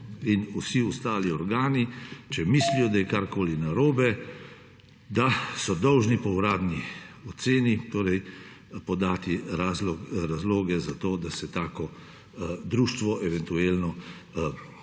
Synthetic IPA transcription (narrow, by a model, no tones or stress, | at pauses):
inusiust̪aːliɔɾɡaːnit͡ʃɛmislijɔd̪ajɛkaɾkoːlinaɾoːbɛ | d̪asɔd̪ɔwʒnipɔwɾaːd̪niɔt̪seːnit̪oːɾɛj | pɔd̪aːt̪iɾazlɔɾazloːɡɛzat̪oːd̪asɛt̪aːkɔ | d̪ɾuːʃt̪ʋɔʔɛʋɛnt̪ueːlnɔ